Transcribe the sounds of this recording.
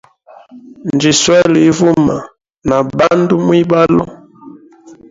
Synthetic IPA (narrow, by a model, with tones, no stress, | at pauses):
nnd͡ʒi˨swɛ˦li˨˦vu˦ma˨ | na˨ba˦ndu˦mwi˦ba˦lɔ̰˦